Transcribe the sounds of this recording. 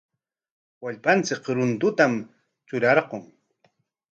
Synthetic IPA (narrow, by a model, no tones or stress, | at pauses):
waʎpant͡sɪkɾʊnt̪ʊt̪am | t͡ʃʊɾɑɾqoŋ